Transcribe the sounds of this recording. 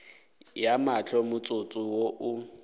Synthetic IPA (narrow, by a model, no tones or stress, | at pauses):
jamat͡ɬʰɔmʊt͡sʼʊt͡sʼʊwoʔʊ